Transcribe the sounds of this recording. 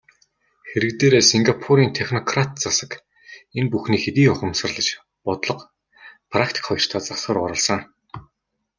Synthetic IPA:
xeɾɘ̆kt̪eːɾeːsiŋɡapʰuɾiːnt̪ʰexnɔkʰrat̪t͡sasə̆k | enpuxniːxet̪iːʊχə̆msə̆rɮə̆t͡ɕ | pɔt̪ɮɞ̆q | pʰrakt̪ʰi̥kχɔjɞ̆r̥t̪ʰaːt͡sasə̆ːrʊɾə̆ɮsə̆ŋ

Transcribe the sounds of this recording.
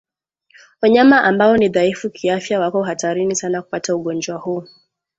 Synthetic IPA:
waɲamaʔambaɔniðaifukʰiafjawakɔɦataɾinisanaku̥patauɠɔnd͡ʒwahuː

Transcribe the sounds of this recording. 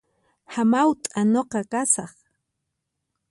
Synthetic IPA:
hamawt̪ʼanoqɑkasɑχ

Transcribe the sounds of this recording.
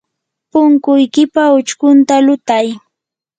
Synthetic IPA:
pʊŋkʊjkɪpaʊt͡ʃkʊnt̪alʊt̪aj

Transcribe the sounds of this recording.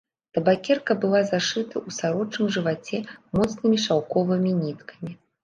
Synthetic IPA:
t̪ɐbakʲɛrkɐbɨlˠazaʂɨt̪ɐʔusaɾɔt͡ʂnɨmʐɨvat͡sʲɛmɔt̪snɨmʲiʂawkɔvɨmʲinʲit̪kʰɐ̥mʲi

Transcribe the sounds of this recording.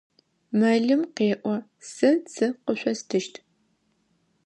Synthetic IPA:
mɐɮɨmqeːʔʷɔ | sɨt͡sʰɨqəɕʷɔstʰɨʃtʰ

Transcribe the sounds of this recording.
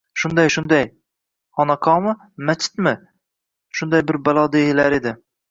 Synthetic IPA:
ʃʊnd̪ajʃʊnd̪aj | ɒnaqʰɒmɪ | mat͡ʃʰːɪ̥t̪mɪ | ʃʊnd̪ajbɪɾbalˠɒd̪eɪlaɾed̪ɪ

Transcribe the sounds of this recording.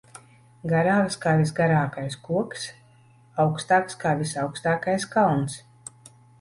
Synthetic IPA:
ɡaɾaːɡskaːvʲis̬ɡaɾaːkajskuɔks | awkst̪aːkskaːvʲisawkst̪aːkajskawns

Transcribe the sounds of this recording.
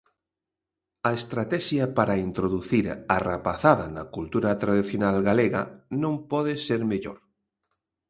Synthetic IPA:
aest̪ɾat̪ɛʃjapaɾaint̪ɾoðuθiɾarapaθaðanakult̪uɾat̪ɾaðiθjonalɣaleɣa̰nõmpɔðeseɾmeʎo̰ɾ

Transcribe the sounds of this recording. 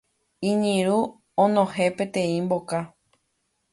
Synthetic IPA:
ĩɲĩɾu | õnõhe̞pẽt̪ẽĩmboka

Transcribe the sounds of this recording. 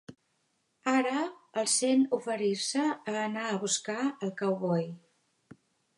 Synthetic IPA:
aɾəːlˠsenufəɾiɾsəːnaəβuskaəlˠkəwβɔj

